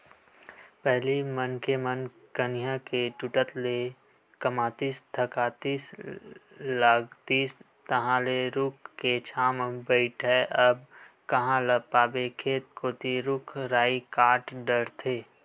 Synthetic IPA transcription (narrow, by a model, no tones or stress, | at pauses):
pɛɦlimənkemən | kənɪjakeʈuʈət̪le | kəmaːt̪iːsd̪ʱəkaːt̪iːs | laːɡt̪iːs | t̪ɐɦãleɾʊk̚ʰket͡ʃʰaːmbəɪʈɦɛʔəbkɐɦãləpaːbekʰeːt̪̚kʰoːt̪iɾʊkʰɾaːikaːʈɖəɽt̪ʰeː